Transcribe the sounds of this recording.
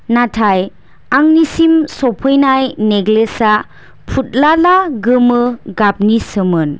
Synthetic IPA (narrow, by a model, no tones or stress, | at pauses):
natʰaj | aŋnisimsɔpʰɔjnajneɡlesa | pʰut̚lalaɡɯmɯɡap̚nisɯmɯn